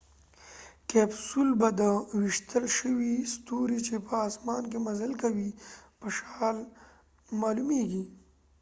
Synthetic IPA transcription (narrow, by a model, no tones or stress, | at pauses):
kɛbsulbad̪əwiʃt̪ʰəlʃəwist̪oɾit͡ʃepəɑsmɑnkemazəlkawipəʃɑl | mɑlumeɡi